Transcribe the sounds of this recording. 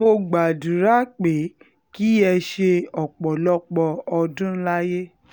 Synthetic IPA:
o˧ɡ͡ba˨du˨ɾa˨˦k͡pe˨˦ | ki˦ɛ˧ʃe˧ɔ˨k͡pɔ˨lɔ˦k͡pɔ˧ɔ˧dũ˦n̩˦la˦je˦

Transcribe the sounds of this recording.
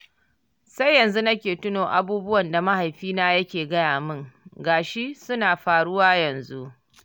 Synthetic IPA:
sa˦jːɐ˨nzu˦nɐ˦kʲeː˨tʊ˦noː˨ʔa˨buː˦bʊ˦wɐ˨nda˨ma˦ha˨jɸiː˦naː˦jɐ˦kʲeː˨ɡɐ˦jaː˨mɪ˦ŋɡaː˨ʃi˦sʊ˦naː˨ɸaː˨ɽʊ˦waː˦jɐ˨nzu˦ʔ

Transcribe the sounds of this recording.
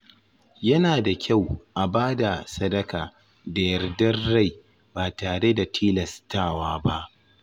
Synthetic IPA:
jɐ˦naː˨da˨kʲa˦˨wʔa˨baː˦da˨sɐ˦dɐ˦kaː˨ | da˨jɐ˨rdɐ˦rːa˦˨j | baː˨taː˨ɽe˦da˨tʰiː˦lɐ˨staː˦˨waː˦ba˦ʔ

